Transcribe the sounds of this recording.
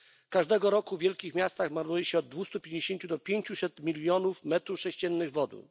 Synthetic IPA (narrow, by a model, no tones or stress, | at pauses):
kaʐd̪ɛɡɔɾɔkuvʲjɛlkʲixmʲjast̪axmaɾnujɛɕɛɔd̪̚ːvust̪upʲjeɲd͡ʑeɕeɲt͡ɕud̪ɔpʲjeɲt͡ɕusɛt̪mʲilʲːjɔnufmɛt̪ɾufʂɛɕt͡ɕɛnːɘɣvɔd̪ṵ